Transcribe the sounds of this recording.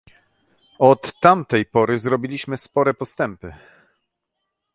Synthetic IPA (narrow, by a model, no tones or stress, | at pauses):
ɔt̪ːamt̪ɛjpɔɾɘzɾɔbʲilʲiɕmɘspɔɾɛpɔst̪ɛmpɘ